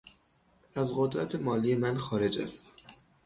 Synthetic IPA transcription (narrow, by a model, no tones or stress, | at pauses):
æzɢod̪ɾæt̪ʰemɒːlijemænxɒːɾe̞d͡ʒæ̰st̪